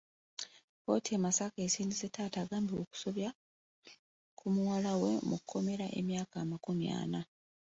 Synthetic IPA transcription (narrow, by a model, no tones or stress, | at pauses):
ko̞̰ːtʰiemasakesiːndisetːaːtaːɡaːmbiwoku̥so̞βja | kʰumuwalawe̞mukʰːo̞me̞ɾaʔe̞̰mjaːkamakumja̰ːna